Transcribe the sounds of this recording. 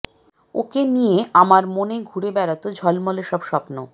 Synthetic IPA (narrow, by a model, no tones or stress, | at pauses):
o̰kenijeamaɾmoneɡʱuɾebɛɾat̪od͡ʑʱɔlmɔleʃɔbʃɔpno